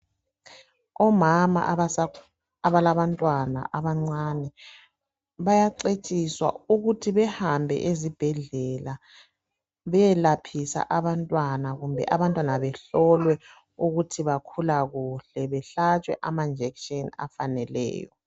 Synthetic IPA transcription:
ɔmama̰ | aβalaβantʼwana̰ʔaβaŋ͡ǀanɛ | βajaǀet͡ʃʼiswa̰uɣutʰiβɛhambʱɛ̰ʔezib̥ʱɛɮɛla | βɛɛlapʰisa̰ʔaβantʼwanaɣumbʱɛ̰ʔaβantʼwanaβɛɬɔlwɛ | uɣutʰiβakʰulaɣuɬɛβɛɬat͡ʃʼwɛ̰ʔamand͡ʒʱɛkʃʼɔna̰fanɛlɛ̰ːjɔ̰

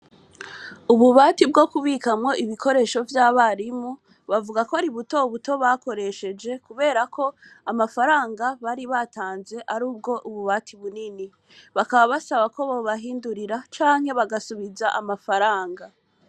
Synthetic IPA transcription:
uβuβaːtib̚ɡo̞kuβikamŋo̞ʔiβikʰo̞ɾe̞ːʃo̞vjaːβaɾimu | βavuɡakoaɾiβuto̞βuto̞βako̞ɾe̞ʃe̞d͡ʒe̞kuβe̞ːɾakʰo̞amafaɾaːŋɡaβaɾiβataːnze̞ʔaɾuːb̚ɡo̞ʔuβuβaːtʰiβunini | βakaβaβasaβako̞βoβaɦiːnduɾiɾat͡ʃaːŋhe̞βaɡasuβizaʔamafaɾaːŋɡa

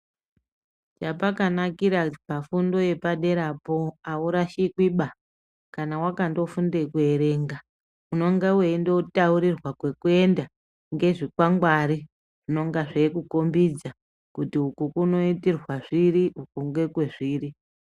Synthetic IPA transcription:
t͡ʃapakanakiɾapafundo̞je̞paɗe̞ɾapo̞auɾaʃikwiɓa | kanawakando̞fundekue̞ɾe̞ːŋɡa | uno̞ŋɡeweindo̞tauɾirwakwe̞kue̞nda | ŋɡe̞ʐikwaŋɡwaɾi | ʐ̥ino̞ŋɡaʐekuko̞mbid͡za | kutiukukuno̞itirwaʐiɾiukuŋɡe̞kwe̞ʐiːri

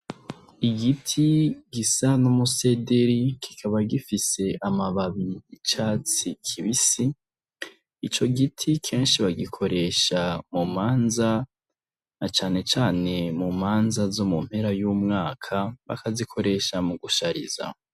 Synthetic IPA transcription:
iɡitʰiɡ̥isanumuse̞deɾikʰi̥kʰaβaɡifise̞ʔamaβaβiːt͡ʃaːt͡sikʰiβisi | it͡ʃo̞ɡitʰikʰe̞ːnʃiβaɡikʰo̞ɾe̞ʃamumaːnza | nat͡ʃaːne̞t͡ʃaːne̞mumaːnzazo̞mum̥he̞ɾajuːmŋaːkʰaβa̰kazikʰo̞ɾe̞ʃamuɡuʃaɾḭza̰

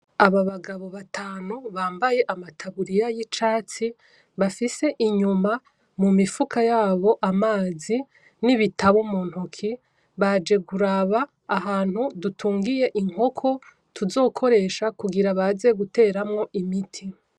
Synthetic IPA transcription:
aβaβaɡaβo̞βatʰaːnuβaːmbaje̞ʔamatʰaβuɾijajit͡ʃaːt͡si | βafise̞ʔiɲuma | mumifukʰajaːβo̞ʔamaːzi | niβitaβumuːn̥hukʰi | βad͡ʒe̞ɡuɾaβaː | ɦaːn̥hudutʰuːŋɡije̞ʔiŋo̞kʰo̞ | tuzo̞ːkʰo̞ɾe̞ʃakuɡiɾaβaze̞ɡute̞ːɾamŋo̞ʔimitʰi

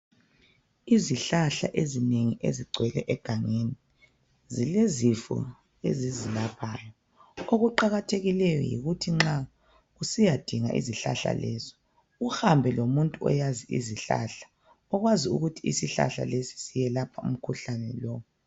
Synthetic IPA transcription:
iziɬaɬa̰ʔezineŋiʔḛziɡ͡ǀʱwɛlɛʔɛɡ̥ʱaŋeni | zilezifṵ | ḛzizilapʰaːjɔ | oɣuǃaɣatʰeɣilɛjɔ̰jḭɣutʰiŋ͡ǁa | usijad̥ʱiŋaʔḭziɬa̰ɬa̰lɛzi̥ | uhambʱɛlomuntʼuɔ̰jaziḭziɬa̰ɬḁ | ɔɣwaziṵɣutʰiisiɬa̰ɬa̰lesi̥sijɛlapʰaṵm̩kʰuɬanɛ̰lɔːw

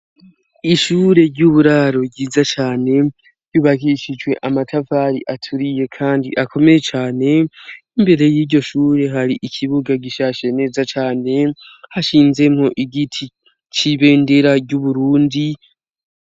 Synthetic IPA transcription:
iʃuːɾe̞ɾɟuβuɾaːɾo̞bɟiːzat͡ʃaːne̞ | ɾɟ̥uːβaɦiʃid͡ʒwe̞ʔamatʰavaːɾḭʔatʰuɾije̞kʰaːndḭʔako̞me̞je̞t͡ʃaːne̞ | imbe̞ɾe̞jiːɟo̞ʃuːɾe̞ɦaɾiʔikʰiβuɡaɡiʃaʃe̞ne̞ːzat͡ʃaːne̞haʃiːnze̞mho̞ʔiɡitʰi | t͡ʃiβe̞ːnde̞ɾaɾuβuɾuːndi

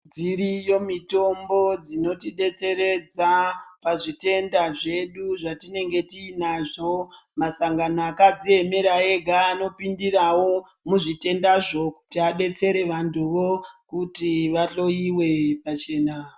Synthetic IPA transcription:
d͡ziɾijo̞mito̞mbo̞d͡zino̞tiɗe̞t͡se̞ɾe̞d͡zapaʐite̞ndaʐe̞ɗuʐatine̞ŋɡe̞tiːnaʐo̞masaŋɡanoakad͡zie̞me̞ɾaeɡʱaːno̞pindirawo̞ | muʐite̞ndaʐo̞ku̥tiaɗe̞t͡se̞ɾe̞ʋantʰuʋo̞kutiʋaɬo̞iwe̞pat͡ʃe̞ːna

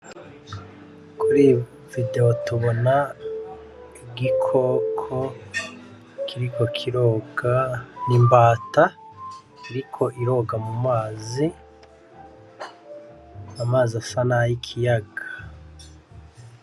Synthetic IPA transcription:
kuɾi | vide̞otuβona | iɡikʰokʰo | kʰiɾiko̞kʰiɾoːɡanimbaːta | iɾikʰo̞ʔiɾo̞ɡamumaːzi | amaːzasanajikʰijaɡa

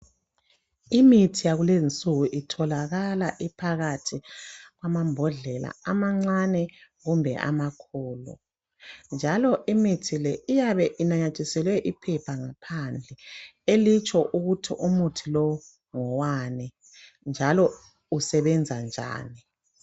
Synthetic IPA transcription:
imitʰijaɣulezint͡sʼuɣuʔitʰɔlaɣalaʔipʰaɣatʰiɣwamambʱɔɮɛla̰amaŋ͡ǀanɛɣumbʱɛ̰ʔa̰makʰɔːlɔ̰ | nd͡ʒʱalɔʔimitʰilɛʔijaβɛʔinaɲat͡ʃʼisɛlwɛʔipʰɛpʰaŋapʰand͡ɮʱɛelit͡ʃʼɔʔuɣutʰiʔumutʰilɔw | ŋɔwanɛ | nd͡ʒʱalɔ | usɛβɛnd͡zʱand͡ʒʱa̰ːni

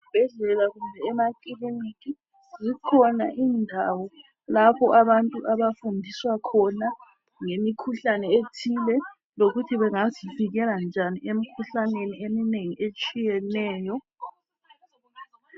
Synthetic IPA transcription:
ub̥ʱɛɮɛlaɣumbʱɛːmakʼiliniki | zikʰɔna̰ʔiːndʱawɔ | lapʰɔʔaβantʼuʔaβafundʱiswakʰɔna | ŋemikʰuɬanɛetʰilɛ | loɣutʰiβɛŋaziviɣɛland͡ʒʱaniemikʰuɬaneniemineŋiet͡ʃʼijɛnɛːjɔ

